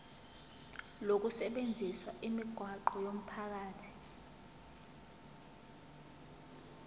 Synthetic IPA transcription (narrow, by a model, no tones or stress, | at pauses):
lok̬usɛɓend͡zʱiswaʔimiɡ̥ʱwaǃɔjom̩pʰak̬aːtʰi̥